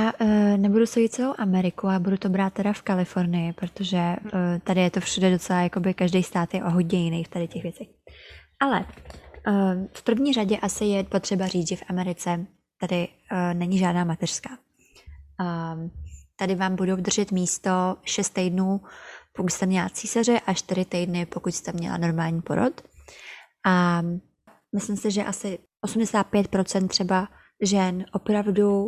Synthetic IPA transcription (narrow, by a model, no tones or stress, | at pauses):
jaːnɛbudusoɟɪt̪̚t͡sɛlowʔamɛɾɪkuabudut̪o̞bɾaːt̪̚ːɛdafkalɪfo̞ɾnɪjɪpɾot̪oʒɛt̪adɪjɛt̪o̞fʃudɛdo̞t͡sɛlajako̞bɪkaʒdejst̪aːt̪jɛʔoɦoɟɲɛjɪnɛjft̪adɪcɛxvjɛt͡sɛxʔalɛ̰ | fpr̩vɲiːraɟɛʔasɪjɛpo̞t̪r̝̥ɛbariːt͡sʒɛfʔamɛɾɪt͡sɛ | t̪adɪ | nɛɲɪʒaːdnaːmat̪ɛr̥skaː | t̪adɪvaːmbudowd̪r̩ʒɛt̪miːst̪o̞ʃɛst̪ːɛjdnuːpokucst̪ɛmɲɛlat͡siːsar̝ɛʔaʃt̪ɪɾɪt̪ɛjdnɪpo̞kucst̪ɛmɲɛ̰la̰no̞ɾmaːlɲipo̞ɾo̰t̪ | ʔa | mɪslɪmsɪʒɛʔasɪ | ʔosumdɛsaːt̪̚pjɛt̪̚pɾo̞t͡sɛnt̪ːr̝̥ɛba | ʒɛnʔo̞pɾavdu